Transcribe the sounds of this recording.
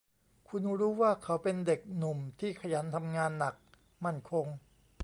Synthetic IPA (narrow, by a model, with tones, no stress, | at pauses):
kʰu˧n˦˥ɾuː˦˥waː˥˩kʰa˩˦˥wpe˧nde˨˩k̚nu˨˩mt̪ʰiː˥˩kʰa˧jaː˩˦nt̪ʰa˧mŋaː˧nːa˨˩k̚ | ma˥˩nkʰo˧ŋ